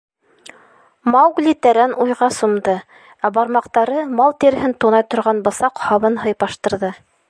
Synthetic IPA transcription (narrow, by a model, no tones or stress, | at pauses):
mɑwɡlʲit̪æɾænʔujʁɑsŏmd̪ɤ | æbɑɾmɑqt̪ɑɾɤmɑlˠt̪iɾɦɘnt̪unɑjt̪ŏɾʁɑnbɤ̆sɑqhɑβɤnɦɤ̆jpɑʃt̪ɤ̆ɾðɤ